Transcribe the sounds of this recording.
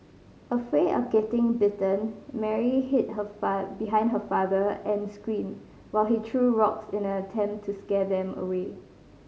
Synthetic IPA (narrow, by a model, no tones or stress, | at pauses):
əfɹeʔɔ̰fɡɛtɪ̃ŋbɪtə̃nmɛɹiɦɪt̚ɦəfbiɦãɪ̃ndɦəfadəɛ̃nskɹĩn | waɪlitʰɹuɹɔksɪ̃nəətʰɛ̃mtʰːuskɛdɛ̃mə̰we